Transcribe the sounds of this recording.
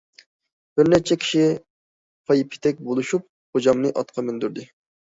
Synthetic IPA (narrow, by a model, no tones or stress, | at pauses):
b̥ɪɾnɛt͡ʃʰɛkʲʰi̥ʃi | pʰɑjipʰːɪ̥t̪ʰɛk̚ʲbolˠuʃup̚ | χod͡ʒɑmnɨʔɑt̪̚qʰɑmynd̪yɾd̪ɪ